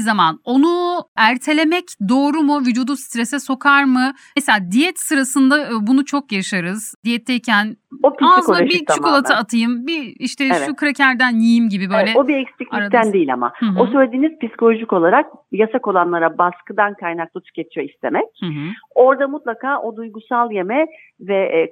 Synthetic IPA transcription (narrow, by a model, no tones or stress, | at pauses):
zamano̞nuæɾt̪ʰe̞lʲe̞mɛcd̪o̞ːɾumuvyd͡ʒuːd̪ust̪ɾesɛso̞kʰaɾmɯ | ɛselʲaːd̪ijɛt̪sɯɾasɯnd̪abunut͡ʃʰo̞kjaʃaɾɯzd̪ijɛt̪ʰːɛicʰænopiaizkoʃbiukʰolˠat̪ʰaat̪ʰɯjɯmbiiʃt̪ʰɛʃɛukʰɾacʰæɾd̪ænjijimɟibibø̞jlʲɛobiɛkspicɾt̪ʰːænd̪ejilʲa̰ma̰o̞sølʲed̪iːniz̥pisi̥kʰolʲoʒiko̞lˠaɾak̚jasako̞lˠanlˠaɾabaskɯd̪ankʰajnak̚lˠat̪ʰy̥cʰet͡ʃ̪ʰijo̞ist̪ʰe̞mɛc̚o̞ɾd̪amut̪lˠakʰaːʔo̞d̪ujɡusalˠje̞mɛ | vɛ